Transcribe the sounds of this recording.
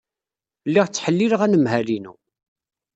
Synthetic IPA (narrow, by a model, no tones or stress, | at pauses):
lːiʁt͡sːħəlːiləʁænəmɦælinṵ